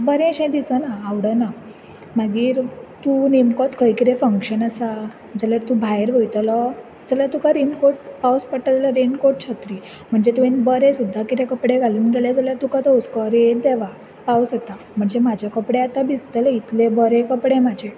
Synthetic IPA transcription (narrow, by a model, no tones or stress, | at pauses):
bəɾẽɕẽd̪isənaːʋɽəna | məɡiːɾt̪unemkɔt͡skəjkiɾefəŋkɕənasa | d͡zaljaɾt̪ũbʱajɾʋəjt̪lɔ | d͡zəljat̪ukaɾenkoʈpawspəʈːatləɾenkoʈ̚t͡ɕʰat̪ɾi | m̤əɳd͡zet̪uẽnbəɾẽsud̪ʱːakit̪ẽkəpɽeɡʱaluːnɡeljad͡zaljaɾt̪ukat̪ɔuskɔɾed̪eʋa | pausət̪a | m̤əɳd͡zemad͡ʑʱakəpɽeat̪abist̪ələit̪lebəɾẽkəpɽemad͡ʑʱe